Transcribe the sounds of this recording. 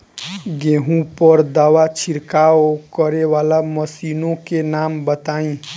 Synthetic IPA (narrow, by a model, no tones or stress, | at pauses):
ɡẽɦũpəɾd̪awat͡ʃʰiɾkaokəɾeʋalaməsinõkenambət̪aĩ